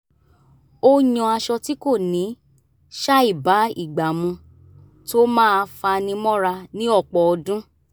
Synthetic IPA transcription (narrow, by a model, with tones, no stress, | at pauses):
o˦ɲɔ̃˧a˧ʃɔ˧ti˦ko˦˨nĩ˨˦ | ʃa˦i˦˨ba˨˦ḭ˦˨ɡ͡ba˨mũ˧ | to˦mãː˦˧fa˧nĩ˧mɔ̃˦ɾa˧nĩ˦ɔ˦˨k͡pɔ˨ɔ˧dũ˦